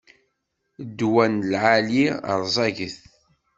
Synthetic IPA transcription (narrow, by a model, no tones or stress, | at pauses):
d̪ːwænlʕaliə̰ɾˤzˤɑʝəθ